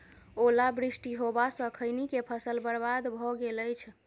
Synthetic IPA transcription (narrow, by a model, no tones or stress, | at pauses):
olabɾisʈiɦobasə̃kʰəjnikepʰəsəlbəɾbad̪bʱɔɡeləjt͡ʃʰ